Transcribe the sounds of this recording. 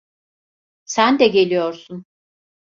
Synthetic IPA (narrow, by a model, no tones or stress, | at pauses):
sænd̪ɛɟe̞lʲijoɾsun